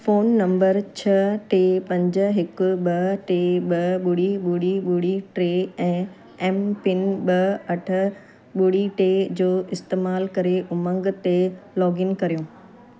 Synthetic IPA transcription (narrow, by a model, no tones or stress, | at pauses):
foːnːɐ̃mbəɾt͡ɕʰɐʈeːpɐ̃ɲd͡ʑ̆ɦɪkʊ̆ɓɐʈeːɓɐɓʊɽiɓuɽiɓuːɽiʈɾeːɛ̃ː | ɛːmpɪnɓɐɐʈʰə̆ | ɓuɽiʈeːd͡ʑoːʔɪst̪eːmaːlkɐɾeʔʊmə̃ŋɡt̪elɔːɡɪnkɐɾijõː